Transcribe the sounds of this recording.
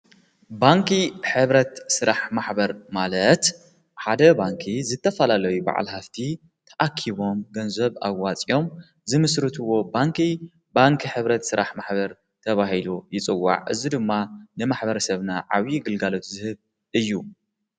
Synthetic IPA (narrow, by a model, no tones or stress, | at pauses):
baŋkʰiħɨβɾɐt̪sɨɾaħmaħbɐɾmalɐt̪ | ħad̪ɐbaŋkʰizɨt̪ʰːɐfɐlalɐjuba̰ʕa̰lhaft̪ʰi | t̪ʰɐʔakʰːiβo̞mɡɐnzɐβa̰ɡat͡sʼio̞m | zɨmɨsɾɨt̪ʰɨwo̞baŋkʰi | baŋkʰiħɨβɾɐt̪sɨɾaħmaħbɐɾ | t̪ʰɐβaɦilujɪt͡sʼɨwːa̰ʕʔɨzid̪ɨmːanɨmaħbɐɾɐsɐβnaʕa̰βiɡɨlɡalo̞t̪zɨhɨβ | ʔɨjːu